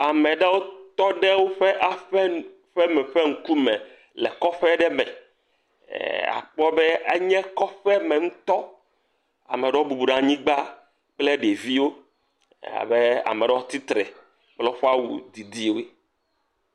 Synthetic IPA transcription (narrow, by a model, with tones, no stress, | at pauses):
a˨mɛ̃˨ɖɛ˦wo˦t̪ɔ˦ɖɛ˦wo˦ɸɛ˦ʔa˨ɸɛ˦ | ɸɛ˦mɛ˨ɸɛ˦ŋ̩˦ku˦mɛ̃˨ | lɛ˨kɔ˦ɸɛ˦ɖɛ˦mɛ̰̃˨ | a̰˨k͡pɔ˦bɛ˦ḛ˦ɲɛ̃˦kɔ˦ɸɛ˦mɛ̃˨ŋũ˦t̪ɔ˦ | a̰˨me˨ɖɛ˦wo˦bu˨bu˨ɖã˨ɲĩ˦ɡ͡ba˦ | k͡ple˦ɖe˨vi˦wo˦ | ḛ˦a̰˨be˦a̰˨mɛ˨ɖɛ˦o˦t̪i˦t̪ɾɛ˨ | k͡plɛ˦wo˦ɸe˦a˦wṵ˨d̪i˨d̪i˦˨˦e˦